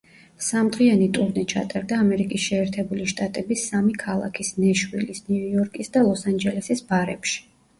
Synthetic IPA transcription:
samd̪ʁianit̪ʼuɾnit͡ʃʰa̰t̪ʼaɾd̪aːmɛɾikʼisʃɛːɾt̪ʰɛbuliʃt̪ʼat̪ʼɛbisamikʰalˠa̰kʰisnɛʃwilisniujɔɾkʼisd̪alˠɔsand͡ʒɛlɛsisbaɾɛpʃi̥

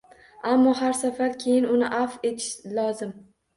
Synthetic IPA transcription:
amːɒɦaɾsafaɾkʲʰe̞jɪnʊnɪʔafe̞t̪ʰɪ̥ʃlˠɒzɪm

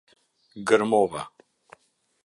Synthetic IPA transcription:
ɡəɾmɔva̰

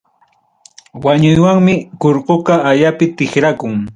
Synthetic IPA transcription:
waɲʊjwaŋmɪkoɾqokaaʎapɪt̪ɪχɾakʊŋ

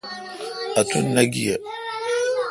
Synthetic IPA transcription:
atunːaɡija

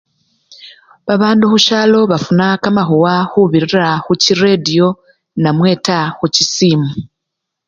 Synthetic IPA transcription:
βaβaːnduhuʃaːlo̞βafunakamaɦowahuβiɾiɾaxuciɾedijo̞ | namwe̞ːtaxucisiːmu

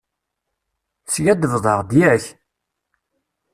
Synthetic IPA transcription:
sʝæd̪əvðˤəʁd̪jæç

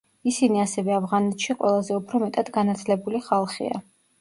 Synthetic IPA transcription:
isiniasɛvɛavʁanɛt̪ʃiqʼwɛ̰lˠazɛupʰɾɔmɛt̪ʼad̪ɡanat̪ʰlɛbuliχalˠχḭa̰

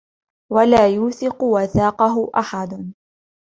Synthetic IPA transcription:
walaːjuːθɪqʊwaθaːqɑɦʊʔaħad̪

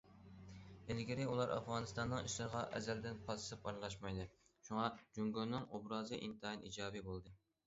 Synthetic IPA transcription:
elɡʲiɾɪulˠɑɾʔɑ̰fʁɑːnɨst̪ɑnːɨŋiʃlˠɨɾʁɑʔɛ̰zɛld̪ɪnqʰɑzsɨpɑɾlˠɑʃmɑjd̪ɨʃuŋɑd͡ʒuŋɡonːɨŋobɾɑːzɨʔint̪ʰɨɦɑnʔḭd͡ʒɑːbibolˠd̪ɨ

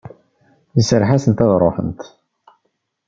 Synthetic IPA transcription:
ðəsəɾħasənt̪æðɾˤoħə̰nt̪

